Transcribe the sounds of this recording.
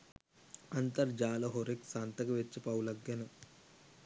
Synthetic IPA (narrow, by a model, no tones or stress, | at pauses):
ɐnt̪ɐɾd͡ʒaːlɐɦoɾeksaːnt̪ɐkɐʋet͡ʃːɐpɐwlɐɡjɐnɐ